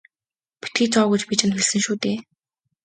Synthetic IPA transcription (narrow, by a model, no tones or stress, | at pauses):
pe̥t̪ɡiːt͡sʰɔːɣujt͡ɕpit͡ɕʰɪ̆nt̪xĕɮsɘ̆ŋʃuːt̪eː